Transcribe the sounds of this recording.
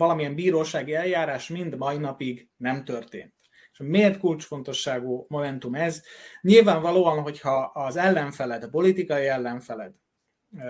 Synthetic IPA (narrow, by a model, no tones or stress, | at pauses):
vɒlɒmijɛmbiːɾoːʃaːɡiɛljaːɾaːʃmind̪mɒinɒpiɡ | nɛmt̪ørt̪ḛːnt̪ | eʃmeːrt̪kult͡ʃfo̞nt̪o̞ʃːaːɡuːmo̞mɛnt̪umɛzɲilvaːɱvɒloːɒnɦo̞chɒːzɛlːɛɱfɛlɛd̪ɒpo̞lit̪ikɒiɛlːɛɱfɛlɛd̪